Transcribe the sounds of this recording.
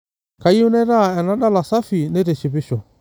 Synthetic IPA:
ka˨i˦u˦nɛ˦ɾa˦˨ɛ˨na˦ɗa˦la˨sa˦fi˨ne˦ɾe˨ʃi˨βi˦ʃɔ˨

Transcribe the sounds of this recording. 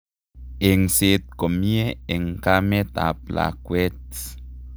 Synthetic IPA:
e˨ŋse˨t̪̚ko˨mi˦e˦e˨ŋ˨ka˦me˦t̪a̰˨p̚la̰˨kwe˦t

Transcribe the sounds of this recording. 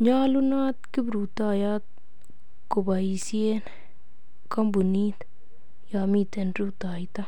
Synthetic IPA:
ɲaː˦lunaː˦t̪ki˦bɾu˨t̪aːjat̪̚ | ko˨ba˨isien | kɐ˦mbu˨ni˦t̪ | jaː˨miːt̪enɾut̪aːjit̪a˦

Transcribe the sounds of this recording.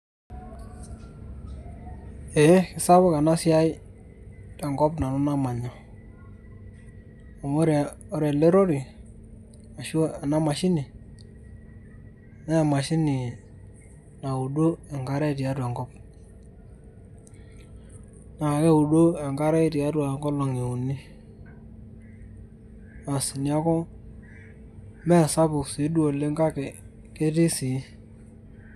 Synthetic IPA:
e˨˦kɪ˨sa˦βʊ˦ka˨na˦sja˦j | tɛ˨ŋɡɔ˦pna˨nʊ˦na˦ma˨ɲɔ˨ | a˨ŋo˦ɾe˨ | o˦ɾe˨le˦ɾo˦ɾi˨ | a˨ʃa˨na˦ma˨ʃɪ˦nɪ˨ | na˦ɛ˨ma˨ʃɪ˦nɪ˨ | na˨u˨do˦ɛ˨ŋɡa˦ɾɛ˦˨ti˨a˦ɾwa˨ŋkɔ˦p̚ | na˨kɛ˦u˨do˦ɛ˨ŋɡa˦ɾɛ˦ti˨a˦da˨ŋɡɔ˦lo˨ŋi˨u˨ni˦ | a˨si˨ni˨a˦kɔ˦ | mɛ˦˨sa˦pʊ˨ksi˨˦du˦o˨le˦ŋɡa˦kɛ˨ | ke˦ti˦si˨˦

